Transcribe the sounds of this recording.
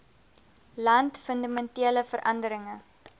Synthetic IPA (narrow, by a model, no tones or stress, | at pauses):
lɐntfəndamɛntiələfəɾʔɐndəɾəŋə